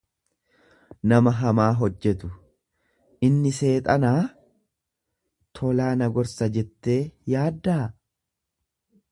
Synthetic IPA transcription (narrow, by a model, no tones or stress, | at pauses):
nɐmɐɦɐmaːɦɔd͡ʒːɛt̪ʊ | ʔɪnːɪse̞ːt̪ʼɐnaː | t̪ʰɔlaːnɐɡɔɾsɐd͡ʒɛt̪ːe̞ːjaːd̪ːaː